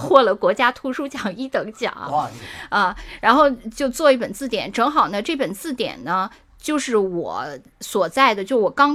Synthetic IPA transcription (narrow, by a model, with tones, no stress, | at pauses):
xwɔ˥˩lə˧˥kwɔ˧˥t͡ɕja˥t̪ʰu˧˥ʂu˥˩t͡ɕjɑ˨˩ŋi˥˩t̪ɤ˧˥ŋt͡ɕjɑ̰˨˩˦ŋ | ə˥˧ɻa˧˥nxo˥˧ʊt͡ɕjo˥˧ʊt͡swɔ˥˧i˥˩pə˨˩nt͡sɹ̩˥˩t̪jɛ̰˨˧˩nʈ͡ʂɤ˧˥ŋxɑ˨˩ʊnə˦ʈ͡ʂɤ˥˩pə˨˩nt͡sɹ̩˥˩t̪jɛ̰˨˩nnə˦ | t͡ɕjo˥˧ʊʂɻ̩˥˩wɔ̰˨˧˩ | swɔ˨˩t͡sa˥˩ɪd̪ə˩t͡ɕjo˥˧ʊwɔ˨˩kɑ˥ŋ